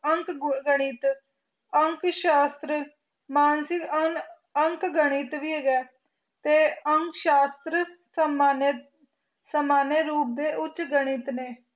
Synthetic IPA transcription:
əŋkɡəɽ̃iːt̪ | əŋkʃaːst̪ɾə | maːnsɪkən | əŋkɡəɽ̃iːt̪ʋiːeːɡɛː | t̪eːəŋkʃaːst̪ɾəsəmaːnt̪ | səmaːneːɾuːp̚d̪eːʔʊt͡ʃːɡəɽ̃iːt̪neː

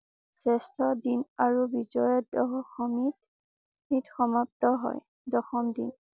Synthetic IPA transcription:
sɛstɔdinaɹubid͡ʒɔjɔdɔɦɔxɔmit | mitxɔmɔp̚tɔɦɔ̰j | dɔxɔmdin

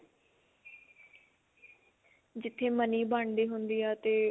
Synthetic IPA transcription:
d͡ʒɪt̪ʰːeːməniːbaːɳd̪iːɦʊnd̪iːaːt̪eː

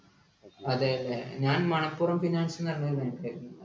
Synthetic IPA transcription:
ɐðɨlːeɲaːnmɐɳɐpːurɐmfinaːnsɨnɐrɐnːɨɣɐlaːjiʈːeɾunːɐ

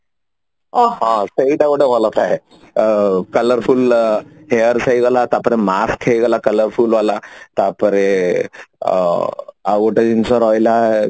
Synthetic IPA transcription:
aɦãseiʈaʋəɽeʋɔlɔt̪ʰaɦe | kələɾfuːlheəɾsejɡəlat̪apəɾemaskhejɡəlakələɾfuːlʋalat̪apəɾe | aʋəʈəint͡sɔɾɔjla

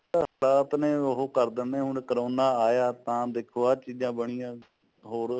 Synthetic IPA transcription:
aslaːt̪neːəɦoːkəɾd̪ɪneːɦʊɳkəɾõːnaːaːjaːt̪ãːd̪ekʰoːaːt͡ʃiːd͡ʒãːbəɳ̃ijãː | ɦoːɾ

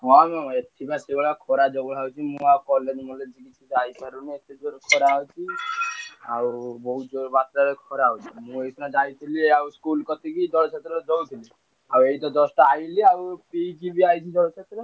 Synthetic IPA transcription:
ɦɔmɛet̪ʰibasebɔɽakʰɔɾad͡ʒɔɡɽɦawt͡ʃʰimũakɔled͡ʒmɔled͡ʒikit͡ʃʰisajsaɾuniet̪ʰit̪ɔɾkʰɔɾaawt͡ʃʰi | a̰wbɔɦut̪d͡ʒɔɾbat̪ɾaɾekʰɔɾaɔwt͡ʃʰimũesʰɔnad͡ʒajt̪ʰiliawskulkɔt̪ikid͡ʒɔɽt͡ʃʰat̪ɾed͡ʒɔut̪ʰili | aweit̪ɔd̪ɔsʈaajliawpid͡ʒibiajt͡ʃʰid͡ʒɔɽt͡ʃʰet̪ɾe

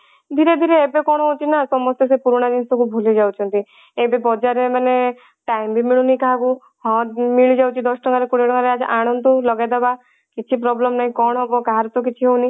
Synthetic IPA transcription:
d̪ʱiɾed̪ʱiɾeebekɔɽ̃ɔɦot͡ʃʰinasɔmɔst̪es̬epuɾɔɽ̃ad͡ʒ̪insɔkubʱulid͡ʒawt͡ʃʰɔnt̪i | ebebɔd͡ʒaɾemane | ʈaimbʱimiɭunikʰaɦku | ɦɔ̃miɭid͡ʒawt͡ʃʰid̪ɔsʈɔŋɡaɾekuɽiɽɔŋɡaɾead͡ʒʔaɽ̃ɔnt̪ulɔɡajd̪ɔba | kit͡ʃʰipɾɔblemnaɦĩkɔɽ̃ɔɦɔbɔkaɦaɾɔt̪ɔkit͡ʃʰiɦewni

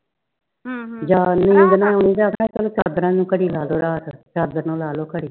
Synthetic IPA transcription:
d͡ʒaːnĩːd̪ənãːoːniːd͡ʒ̪aːknãːkəlot͡ʃaːd̪ɾãːnũːkəɽiːlaːloːɽaːt̪ːt͡ʃaːd̪əɾnũːlaːloːkəɽiː

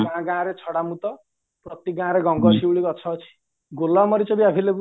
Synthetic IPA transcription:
ɡãɡãɾet͡sʰɔɽamũt̪ɔ | prɔt̪iɡãɾeɡɔŋɡɔsiuɭikɔt͡sʰɔt͡sʰi̥ | ɡolamʌɾit͡sɔbiapʰileku

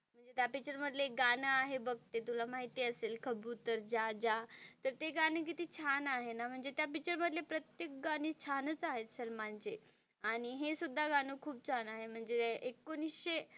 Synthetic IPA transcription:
m̤əɳd͡zet̪japit͡ɕəɾməd̪leɡanəaɦebəɡ̚t̪et̪ulamaɦit̪iəselkʰəbut̪əɾd͡ʑad͡ʑat̪əɾt̪eɡanək̬it̪iːt͡ɕʰanaɦenam̤əɳd͡zet̪jap̬it͡ɕəɾməd̪lepɾət̪jek̚ɡanit͡ɕʰanət͡saɦet̪səlmand͡ʑe | aɽ̃iɦesud̪ʱːaɡanuːkʰuːp̚t͡ɕʰanaɦem̤əɳd͡zeekːonisɕe

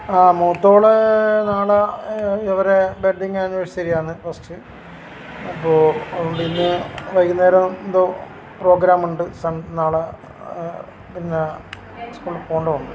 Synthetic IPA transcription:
aːmoːt̪ːo̞ːɭenaːɭɐeʋɐɾebeɖiŋɡanʋɐɻit͡ɕɐɾijaːnːɨfɐstɨ | ɐpːoːɐðuɳɖɨinːɨʋɐjkːunːeɾond̪o | pro̞ːɡɾaːmuɳɖɨsɐnnaːɭɐ | pinːe | skuːɭfoːɳɖɨʋɐnd̪ɨ

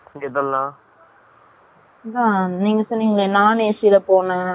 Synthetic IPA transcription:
ɪŋɡɛðɐlːãː | d̪ãːniːŋɡɐsaːɾniːŋɡnaːneːsɪlɐpoːnɐ̃

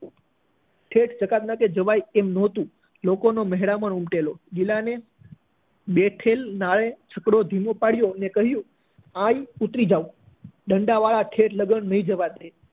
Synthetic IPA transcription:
ʈʰeʈʰd͡ʒəkat̪̚naked͡ʒəʋajɛmnot̪ũ | lokonoməɦɽaməɳumʈeloɡilane | ɓeʈʰelnaɭet͡ʃʰəkɽod̪ʱimopaɽjonekəɦjũ | ãjut̪ɾid͡ʒaũ | ɖəɳɖaʋaɭaʈʰeʈləɡənːəɦĩd͡ʒəʋad̪ej

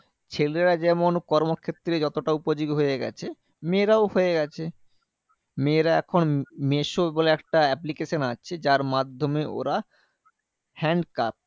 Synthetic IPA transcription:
t͡ɕʰeleɾad͡ʑɛmonkɔɾmokʰet̪ːɾed͡ʑɔt̪oʈaupod͡ʑiɡɦoeɡɛ̰t͡ɕʰe | meɾaohojeɡɛt͡ɕʰe | meɾaɛkʰonmeʃoboleɛk̚ʈaɛplikeʃonaɕʰed͡ʑaɾmad̪ʱomeo̰ɾa | hɛɳɖka̰p̚

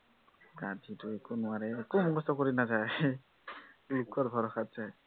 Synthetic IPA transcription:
ɡadʱitʊekunʊwaɹɛːkomɔɡɔstɔkoɹinazaj | lukʰɔɹbʱɔɹɔxatz̥aj

